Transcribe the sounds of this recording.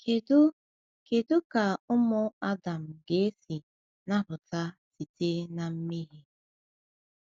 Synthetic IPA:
ke˨dʊ˦ | ke˨dʊ˦ka˨ʊ˦mʊ˦a˦da˨m̩˨ɡe˨˦e˦si˨ | na˦ɾʊ˨ta˦ti˨te˦na˨m̩˦mi˦ɦi˦

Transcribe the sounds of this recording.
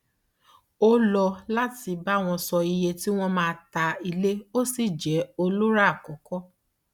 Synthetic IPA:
o˦lɔ˧la˦ti˨˧ba˦˨w̃ɔ̃˧sɔ˧i˧je˧ti˦w̃ɔ̃˦mãː˧ta˧i˧le˦o˦si˨d͡ʒɛ˨˦o˧lo˦ɾa˦a˦˨kɔ˨˦kɔ˦

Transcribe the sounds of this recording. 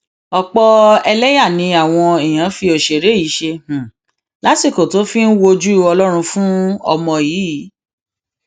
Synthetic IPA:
ɔ˧k͡pɔ˧ɛ˧lɛ˦ja˦˨nĩ˨˧a˦˨w̃ɔ̃˧e˨j̃ã˨˦fi˧o˨ʃe˨ɾe˨˦i˨˦ʃẽ˧˨ | la˨˦ti˦˨ko˨to˨˦fi˦n̩˦wo˧d͡ʒu˦ɔ˧lɔ˦ɾ̃ũ˧fũ˦ɔ˧mɔ̃˧jiː˨˦˨

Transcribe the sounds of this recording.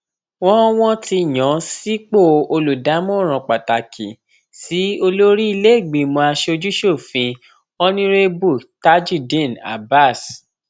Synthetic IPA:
w̃ɔ̃˦w̃ɔ̃˦ti˧˨j̃ɔ̃˨˦si˦k͡po˦˨o˧lu˨da˨˦mɔ̃˦˨ɾ̃ɔ̃˨k͡pa˨ta˨kʰḭ˨ | si˨˦o˧lo˦ɾi˦i˧le˦i˦˨ɡ͡bi˨mõ˧a˧ʃe˧o˧d͡ʒu˦ʃo˦˨fĩ˧ | ɔ˦nĩ˦ɾe˦bu˦˨ta˦d͡ʒu˦˨dĩ˦˨na̰˨ba˦˨s

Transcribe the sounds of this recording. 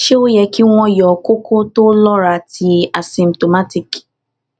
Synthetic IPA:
ʃe˦o˦jɛ˨ki˦ŋw̃ʷɔ̃˦jɔ˨ko˦kʰo˦to˦lɔ˦ɾa˨tʰi˨a˨sĩ˨mto˨ma˦ti˨k

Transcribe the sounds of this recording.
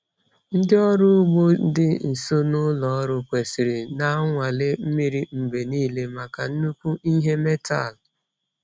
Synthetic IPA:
n̩˦dɪ˦ɔ˦ɾʊ˦ɡ͡bo˦dɪ˦n̩˨so˦nʊ˦lɔ˨˦ɾʊ˨kʷe˨si˨ɾɪ˨na˦ŋʷa˨le˦m̩˦mi˦ɾi˨m̩˨ɡ͡be˨niː˦le˦ma˨ka˨n̩˦nu˦kʷu˦ʔi˦ɦe˦me˦ta̰˦˨l

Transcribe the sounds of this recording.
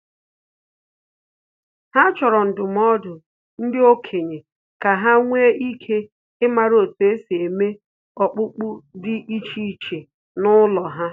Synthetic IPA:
ha˦t͡ʃɔ˨ɾɔ˨n̩˨dʊ˨m˦ɔ˦dʊ˨ | n̩˦dɪ˦o˦kʰe˨ɲe˨ | ka˨ɦa˦ŋʷe˦i˦kʰe˦ | ɪ˦ma˨ɾo˨te˨˦si˨e˨me˦ | ɔ˨k͡pʊ˦k͡pʊ˦dɪ˦ʔi˦t͡ʃi˦˨t͡ʃe˨ | nʊ˦lɔ˨ɦa˦

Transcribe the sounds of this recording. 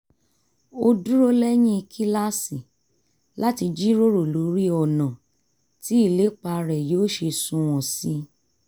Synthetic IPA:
o˧du˦ɾo˦lɛ˦j̃ĩ˦i˧kʰi˦la˦si˨ | la˦ti˧d͡ʒi˦ɾo˦ɾo˦˨lo˨˦ɾi˦ɔ˨nã˨ | ti˨˦i˦˨le˨˦k͡pa˧ɾɛ˨joː˦ʃe˧sũ˧w̃ɔ̃˨si˧˦

